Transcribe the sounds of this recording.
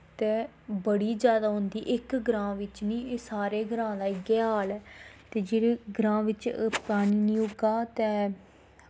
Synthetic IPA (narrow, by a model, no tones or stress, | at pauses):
t̪eː | bəɽiːd͡ʒjaːd̪aːɦʊ̃nd̪iːʔɪkɡɾãːʋɪt͡ʃnĩːsaːɾeːɡɾãːd̪aːɪɡeaːlɛːt̪eːd͡ʒeːɾeːɡɾãːʋɪt͡ʃpɾaːɽ̃iːnĩːoɡaːt̪eː